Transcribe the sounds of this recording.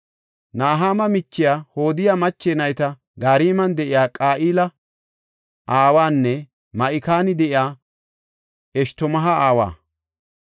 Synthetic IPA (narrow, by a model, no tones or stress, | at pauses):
naːɦaːmɐmɪt͡ʃːɪjaːho̞ːd̪ɪjamɐt͡ʃːeːnɐjt̪ɐ | ɡaːɾiːmɐnd̪ɛʔɪjaːkʼaːʔiːlɐ | ʔaːwaːnːɛ | mɐʔɪkaːnɪd̪ɛʔɪjaː | ɛʃt̪ɔmɐɦɐaːwa̰ː